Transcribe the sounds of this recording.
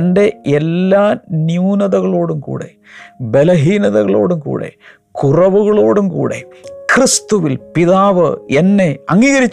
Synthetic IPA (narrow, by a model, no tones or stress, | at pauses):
nɖe̞elːaːnjuːnɐðɐɣɐɭo̞ːɽumkṵːɽe̞̰ | be̞lɐɦiːnɐðɐɣɐɭo̞̰ːɽumkṵːɽe̞̰ | kurɐʋuɣɐɭo̞ːɽumkṵːɽe̞̰krist̪uʋilpiðaːʋɨenːeɐŋːiːɣɐɾit͡ɕː